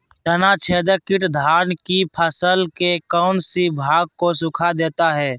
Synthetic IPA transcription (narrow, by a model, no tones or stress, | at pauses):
t̪ənat͡ʃʰeːd̪əkɪʈd̪ʱaːnkipʰəsəlkekɔːʊnsibʱaːɡ̚kosʊkʰad̪eːt̪aɦɛː